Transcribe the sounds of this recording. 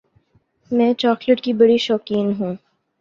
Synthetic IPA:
mɛ̃ːt͡ʃɔːkləʈkibɐɽiʃɔːkiːnɦũː

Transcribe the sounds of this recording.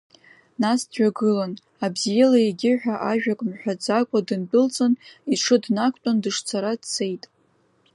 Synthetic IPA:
nasdʒᶣaɡɨlan | abzijelajeɡʲɪħᶣaʔaʒᶣakʷʼmħᶣad͡zakʷʼadɨnt͡pʼɨlt͡sʼɨniʈ͡ʂʰɨdnakʷʰʼtʷʼandɨʂt͡sʰaɾadt͡sʰe̞jtʼ

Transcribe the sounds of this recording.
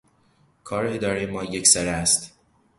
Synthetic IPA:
kʰɒːɾeed̪ɒːɾejemɒːjecsæɾææst̪

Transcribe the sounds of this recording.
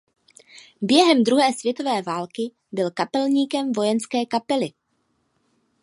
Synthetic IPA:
bjɛɦɛmd̪ɾuɦɛːsvjɛt̪o̞vɛːvaːlkɪ | bɪlkapɛlɲiːkɛmvo̞jɛnskɛːkapɛlɪ

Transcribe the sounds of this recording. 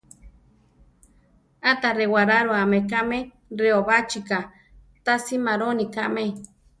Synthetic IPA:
at̪aɾewaɾaɾoamekaʔme | ɾeoβat͡ʃika | t̪asimaɾonikaʔme

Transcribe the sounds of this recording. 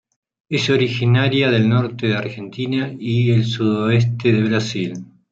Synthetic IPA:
esoɾixinaɾjaðe̞lnoɾt̪eðeaɾxe̞nt̪inaielsuðoes̬t̪eðe̞βɾasil

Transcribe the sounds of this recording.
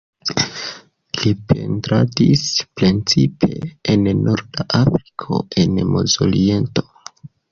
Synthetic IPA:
lipʰe̞ntɾadispɾent͡sipʰe̞ennoɾdaʔafɾi̥kʰo̞̰enmozolie̞nto̥

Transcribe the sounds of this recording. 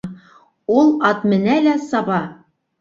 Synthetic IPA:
ulˠɑt̪mɘ̆nælæsɑbɑ

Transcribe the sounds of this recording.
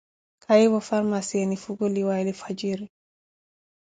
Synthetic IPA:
kʰajiwɔfaɾmasenifuɡɔliwalifad͡ʒiɾi

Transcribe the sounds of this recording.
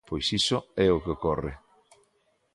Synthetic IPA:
pojsisoɛokeokɔrɪ̰

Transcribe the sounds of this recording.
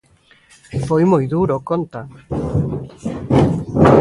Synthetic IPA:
fojmojðuɾokont̪a

